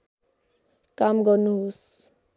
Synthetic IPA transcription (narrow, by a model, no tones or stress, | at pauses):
kamɡʌrnuɦos